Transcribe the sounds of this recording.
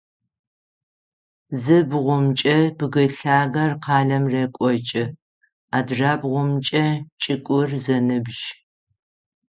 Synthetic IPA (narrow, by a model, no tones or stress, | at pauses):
zɨbʁʷʊmt͡ʃʼɐb̥ɨɣɨɬaːɣɐrqʰɑːɮɐmrekʷʼɔt͡ʃʼɪ | aːdraːbʁʷʊmt͡ʃʼɐt͡ʃʼɪkʷʼʊrzɐnɨbʒ